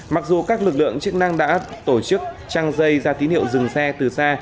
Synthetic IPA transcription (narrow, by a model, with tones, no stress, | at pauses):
ma˨˩k̚zu˨˩kaː˦˥k̚lɨ˨˩k̚lɨ̰˧˨əŋt͡ɕɨ˦˥ək̚na˧ŋɗa̰ː˧˥t̪o˧˩t͡ɕɨ˦˥k̚ | t͡ɕaː˧ŋzə˧jzaː˧t̪i˨˦nhḭ˧˨əwzɨ˨˩ŋsɛ˧t̪ɨ˨˩saː˧